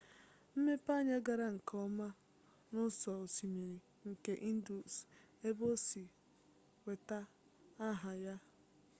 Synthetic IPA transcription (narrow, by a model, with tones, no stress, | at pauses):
m̩˦me˦pa˦ɲa˦ɡa˨ɾa˦ŋ̩˨kʰɔ˦ma˦ | nʊ˦sɔ˨si˨me˨ɾ | ŋ̩˨ke˦ʔi˦n̩˦du˨s | e˦bo˦si˨ | we˨ta˦ | a˦ɦa˨ja˦